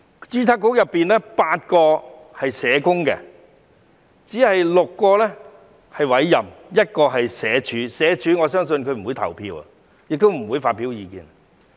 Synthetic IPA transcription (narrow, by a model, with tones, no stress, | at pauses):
t͡ʃyː˥t͡sʰaː˧˥kːʊ˥jɐ˨pːiː˨nlɛː˥paː˧t̚kɔː˧ | hɐ˨jsɛː˨˧˥kʊ˥ŋkɛ˧ | t͡siː˨˥hɐ˨jlʊ˨kːɔː˧lɛ˥ | hɐ˨jwɐ˨˥jːɐ˨mjɐ˥t̚kɔː˧ɦɐ˨jsɛː˨˥t͡ʃʰyː˨˥sɛː˨˥t͡ʃʰyː˨ŋɔː˨˧sœː˥ŋsɵ˧nkʰɵ˧m̩˨˩wu˨˧jt̪ʰɐ̰˨˩wpʰḭː˧wɐ̰˨ | jɪ˨k̚t̪o˥wm̩˨˩wuː˨˧jfaː˧t̚pːi˨˥wjiː˨˧kḭː˧n